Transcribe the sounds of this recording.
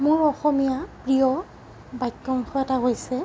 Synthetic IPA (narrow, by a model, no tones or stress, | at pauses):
mʊɹɔxɔmijapɹijɔ | bajkːɔŋxɔɛtaɦojsɛ